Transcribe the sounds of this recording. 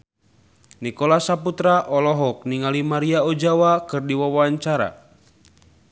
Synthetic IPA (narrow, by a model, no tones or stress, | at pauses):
nikɔlasaput̪ɾaʔɔlɔɦɔk̚niŋalimaɾiaɔd͡ʒawakɨrdiwawaɲt͡ʃaɾa̰